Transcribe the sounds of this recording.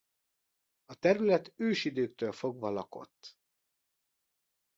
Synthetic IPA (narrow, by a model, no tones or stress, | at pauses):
ɒt̪ɛɾylɛt̪øːʃid̪øːk̚t̪ølfo̞ɡʋɒlɒko̞̰t̪ː